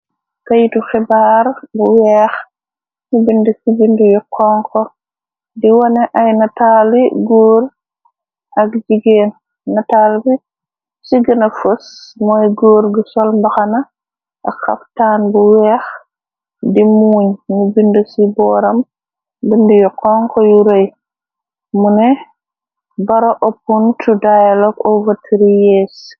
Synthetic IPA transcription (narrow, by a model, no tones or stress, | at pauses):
kɐjituxɪbaːɾbuwɛːx | ɲubindəsibindujukʰɔŋkɔ | diwɐnɛʔɐjnɐtaːliɡoːɾ | ɐkd͡ʒiɡeːnː | ɐtaːlbi | siɡənɐfusmɔjɡoːɾɡusɔlmbɐxanɐ | ʔaxɐ̰ftaːnbuwɛːx | dimuːɲnubindusibɔːɾɐm | bindujɔqɔŋkɔjuɾɐj | munɛ | bɐɾaʔɔpːuntudajalɔɡɔvɐtʰːiɾijɛːs